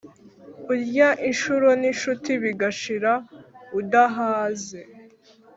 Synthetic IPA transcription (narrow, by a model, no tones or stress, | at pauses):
uɾɟaʔinʃuɾoniʃutiβiɡaʃiɾaudaɦaːze